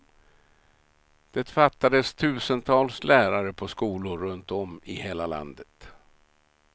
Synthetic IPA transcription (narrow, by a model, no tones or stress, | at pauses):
d̪̥ɛt̪fat̪ːad̪əst̪ʰʉ̟ːsənt̪ʰɑːlslæːɾaɾəpʰɔskuːlʊɾɵnt̪ɔmɪheːlala̰nd̪ət̪